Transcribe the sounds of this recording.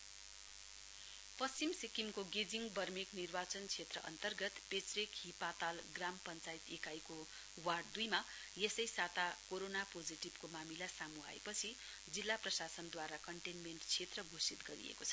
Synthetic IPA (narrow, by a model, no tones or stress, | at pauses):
pʌst͡simsikimkoɡed͡ziŋɡbʱʌrmiknirbat͡sʌnt͡sʰet̪rʌʔʌ̰nt̪ʌrɡʌt̪pet͡srikɦipat̪alɡrampʌnt͡sait̪ekajko | warɖd̪ujma | jesʌjsat̪akoɾonapod͡ziʈibkomamilasamuɦa̰ḛpʌt͡sʰi | d͡zilːaprʌsasʌnd̪waɾakʌɳʈenmeɳʈt͡sʰet̪rʌɡʱosit̪ɡʌɾḭḛkot͡sʰʌ̥